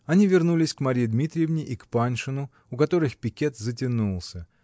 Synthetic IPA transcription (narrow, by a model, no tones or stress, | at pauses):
ɐnʲivʲɪrnulʲɪsʲkmɐɾʲijɪd̪mʲit̪ɾʲɪjɪvnʲɪʔikpanʲʂɨnʊ | ʊkɐt̪o̞ɾɨxpʲɪkʲe̞t̪zət̬ʲɪnulˠsʲə